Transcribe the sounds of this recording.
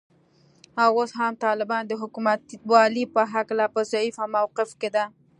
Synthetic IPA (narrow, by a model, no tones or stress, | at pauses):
awosɦamt̪ɑlɪbɑnd̪əɦʊkumat̪wɑlipəɦaklapəzaifamawqɪfked̪a